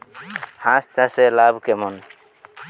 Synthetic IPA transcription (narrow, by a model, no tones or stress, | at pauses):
hãst͡ʃaselabkemɔn